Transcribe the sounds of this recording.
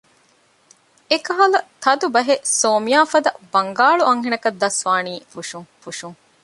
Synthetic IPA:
ekɐɦɐlɐt̪ɐd̪ubɐɦesoːmijaːfɐd̪ɐbɐŋɡaːɭuʔɐŋɦenɐkɐd̪ːɐsʋaːniːfuʃuŋfuʃuŋ

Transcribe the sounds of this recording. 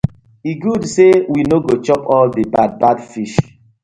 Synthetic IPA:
iɡudsewinoɡot͡ʃɔpɔldebad̚badfiʃ

